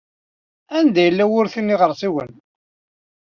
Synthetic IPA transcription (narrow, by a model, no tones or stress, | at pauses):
ænd̪æjəlːæwʊɾθinːiʁəɾˤsiwən